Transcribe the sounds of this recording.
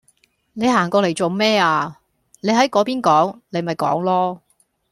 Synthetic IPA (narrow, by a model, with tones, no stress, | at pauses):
ne˨˧jɦaː˨˩ŋkɔː˧le˨˩jt͡so˨wmɛː˥aː˧ | ne˨˧jɦɐ˨˥jkɔː˨˥piː˥nkɔː˨˥ŋle˨˧jmɐ˨jkɔ̰ː˨˥ŋlɔː˥